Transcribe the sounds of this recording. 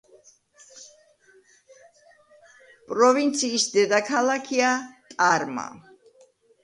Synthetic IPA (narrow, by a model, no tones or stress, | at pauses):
pʼɾɔvint̪sʰiːsd̪ɛd̪akʰalakʰiat̪ʼaɾma̰